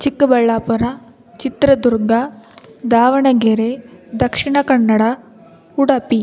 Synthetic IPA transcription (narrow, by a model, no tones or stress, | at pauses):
t͡ʃikːbɐɭːaːpɐɾɐ | t͡ʃit̪ɾɐd̪uɾɡɐd̪aːʋɐɳɐɡeɾed̪ɐkʂiɳɐkɐɳːɐɽɐ | uɽɐpi